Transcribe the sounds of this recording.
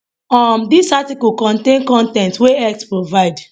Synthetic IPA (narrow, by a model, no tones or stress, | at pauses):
ãmdisatikulkɔ̃ntẽnkɔ̃ntɛ̃ntweɛk̚tpɹovaɪd